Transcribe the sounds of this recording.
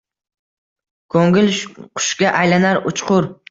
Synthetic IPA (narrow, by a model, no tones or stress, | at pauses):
kʰoŋʲɪlqʰʊ̥ʃɡʲaʔajlanaɾʊt͡ʃqʰʊɾ